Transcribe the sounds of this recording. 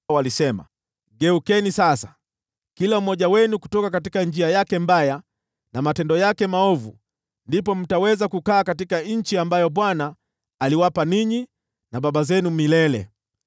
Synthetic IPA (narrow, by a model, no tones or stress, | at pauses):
walisɛma̰ | ɡɛukɛnisasḁ | kilam̩mɔʄawɛnuku̥tɔkakatikand͡ʒiajakɛmbaja | namatɛndɔjakɛmaɔvṵ | ndipɔm̩tawɛzakukaːkatikaɲ̩t͡ʃiambajɔɓwanaː | liwapaniɲi | naɓaɓazɛnumilɛlɛ̰